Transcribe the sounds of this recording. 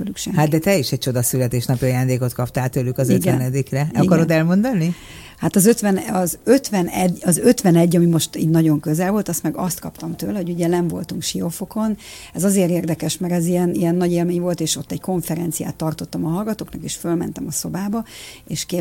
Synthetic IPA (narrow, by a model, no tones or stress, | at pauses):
ølykʃɛ̰mhad̪̚d̪ɛt̪ɛiʃɛc̚t͡ʃo̞d̪ɒsylɛt̪eːʃnɒpiɒjaːnd̪eːko̞t̪kʰɒp̚t̪aːlt̪øːlykɒzøt̪ɡɛnɛd̪ikrɛkɒɾod̪ɛlmo̞nd̪ɒni | hat̪ɒzøt̪ʋɛnɒzøt̪ʋɛnɛɟɒzøt̪ʋɛnɛɟːɒmimo̞ʃt̪ḭːt̪nɒɟo̞ŋkøzɛlvo̞lt̪ɒst̪mɛɡɒst̪kɒpt̪ɒmt̪øːlɛɦo̞ɟuɟɛnɛɱvo̞̰lt̪uŋkʃio̞fo̞ko̞n | ɛzɒzeːɾeːrd̪ɛkɛʃmɛɾɛzijɛnijɛnːɒɟeːlmeːɲvo̞lt̪eːʃo̞t̪ːɛɟko̞ɱfɛɾɛnt̪sija̰ːt̪ːɒrt̪o̞t̪ːɒmɒɦɒlɡɒt̪oːknɒkeːʃfølmɛ̰nt̪ɛmɒso̞baːbɒeːʃke